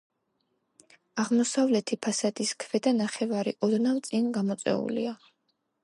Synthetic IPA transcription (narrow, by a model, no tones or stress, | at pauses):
aʁmɔsavlɛt̪ʰipʰasad̪iskʰvɛd̪anaχɛvaɾḭʔɔd̪navt̪sʼinɡamɔt̪sʼɛ̰ṵlḭa